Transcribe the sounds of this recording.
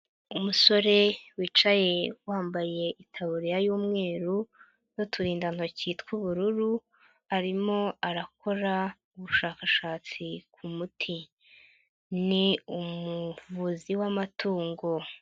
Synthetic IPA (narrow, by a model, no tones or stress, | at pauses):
umuso̞ɾe̞wiːt͡ʃaje̞waːmbaje̞ʔitʰaβuɾijajuːmŋe̞ːɾu | jo̞tʰuɾiːndan̥ociːtkuβuɾuɾu | aɾimo̞aɾako̞ɾa | uβuʃaːkaʃaːt͡sikʰumutʰi | niumuvuziwamatʰuːŋɡo̞